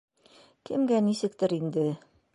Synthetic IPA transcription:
kɘ̆mɡænisɘ̆k̚t̪ɘɾind̪ɘ

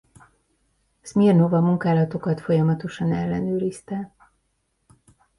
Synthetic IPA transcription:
smirno̞vɒmuŋkaːlɒt̪o̞kɒt̪fo̞jɒmɒt̪o̞ʃɒnɛlːɛnøːɾist̪ɛ

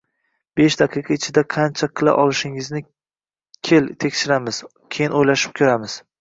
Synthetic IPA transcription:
b̥eʃd̪aqʰɨqʰɑɪt͡ʃʰɪd̪aqʰɑnt͡ʃʰaqʰɨlˠa̰ʔɒlˠɪʃɪŋɪznɪ | kʲʰelt̪ʰekʲʃɪɾamɪz̥ | kʲʰejɪnojlaʃɪ̥p̚kʲʰoɾamɪz̥

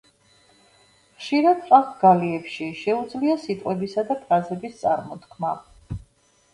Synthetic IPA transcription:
χʃiɾad̪̚qʼaχɡaliɛpʃiʃɛud̪zliasit̪ʼqʼwɛbisad̪apʰɾazɛbist̪sʼaɾmɔt̪kʰma

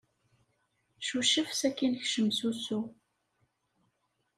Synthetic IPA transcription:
ʃuʃəfsækinçʃəmsusu

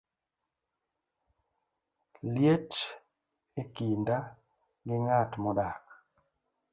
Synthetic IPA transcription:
ljet͡ʃ | ekinda | ŋɡɪŋatmɔdak̚

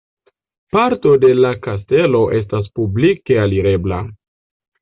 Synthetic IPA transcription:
paɾto̞de̞lakas̬te̞lo̞ʔe̞s̬tas̬publike̞aliɾe̞bla

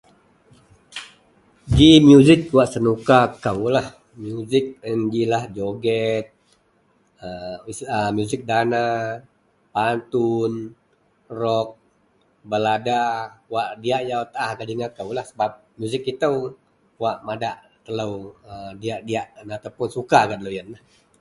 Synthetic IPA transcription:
d͡ʒimjuzɪk̚waʔsənukakəwlah | mjuzɪk̚ənd͡ʒilahd͡ʒoɡɛt̪̚ | əisəmjuzɪk̚dana | pant̪un | rɔk̚ | bəladawaʔdiaʔjawt̪ahkaliŋakəwlahsəbap̚mjuzɪk̚it̪əw | waʔmadaʔ | t̪ələwədiaʔdiaʔnat̪awpʊnsukakat̪ələwjənah

